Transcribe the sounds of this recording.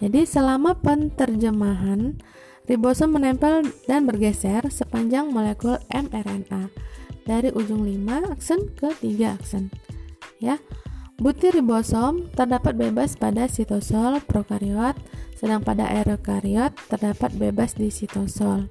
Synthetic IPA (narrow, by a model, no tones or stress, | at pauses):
d͡ʒadisəlamapənt̪ərd͡ʒəmaɦan | ribɔsɔmːənɛmpɛldanbərɡɛsɛrsəpaɲd͡ʒaŋmolekulɛmɛrɛnadaɾiʔud͡ʒʊŋlimaːksənkət̪iɡaaksən | jabut̪iɾibosɔmt̪ərdapat̪̚bebaspadasit̪ɔsɔlpɾokaɾiɔt̪̚sədaŋpada̰ʔɛɾokaɾiɔt̪ːərdapat̪̚bebasdisit̪ɔsɔl